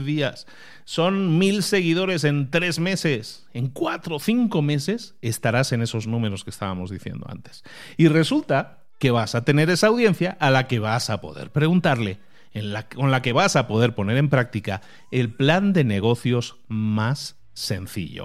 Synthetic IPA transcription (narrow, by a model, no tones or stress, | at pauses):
ðiasː | o̞nmilse̞ɣ̞ið̞o̞ɾe̞s̬e̞nt̪ɾe̞zme̞se̞s | e̞ŋkwat̪ɾo̞θiŋko̞me̞se̞se̞st̪aɾase̞ne̞so̞znũme̞ɾo̞skest̪aβamo̞zðiθje̞̰nd̪o̞̰a̰nt̪e̞̥s | ire̞sult̪a | ke̞β̞asat̪e̞ne̞ɾe̞saːwðje̞nθjaʔalake̞β̞asapo̞̰ðe̞̰ɾpɾe̞ɣunt̪aɾle̞ | nlako̞nlake̞β̞asapo̞ðe̞ɾpo̞ne̞ɾe̞mpɾak̚t̪ika | e̞lpland̪e̞ne̞ɣ̞o̞θjo̞z | masː | e̞n̟θḭʎo̰